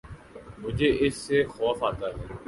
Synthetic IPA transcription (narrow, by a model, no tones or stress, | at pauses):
mʊd͡ʒʱeʔɪsːexɔːfaːt̪aːɦɛː